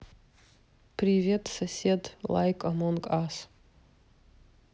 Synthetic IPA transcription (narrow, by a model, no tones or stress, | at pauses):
pʰrivʲetʰʼsasʲedla̰jkʼamonkʼas